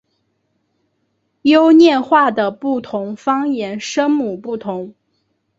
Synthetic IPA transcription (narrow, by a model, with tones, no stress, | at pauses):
jo˥ʊnjɛ˥˧nxwa˥˩d̪ə˩pu˥˩t̪ʰʊ˧˥ŋfɑ˥ŋjɛ˧˥nʂɤ˥ŋmu˨˩pu˥˩t̪ʰʊ˧˥ŋ